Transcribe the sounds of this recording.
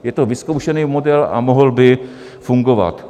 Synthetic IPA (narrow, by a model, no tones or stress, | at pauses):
jɛt̪ovɪskowʃɛnijmodɛla̰moɦlbɪ | fuŋɡova̰t̪